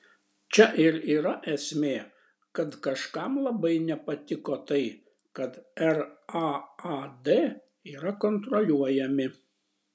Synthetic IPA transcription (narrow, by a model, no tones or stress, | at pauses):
t͡ʃʲɛʔɪɾiːɾɐʔɛsʲmʲeː | kɐt̪kɐʃkɑmlˠɐbɐɪnʲɛpɐt̪ʲɪkoːt̪ɐɪ | kɐt̪ɛɾɑɑd̪e | iːɾɐkɔnt̪ɾɔlʲuɔjɛmʲɪ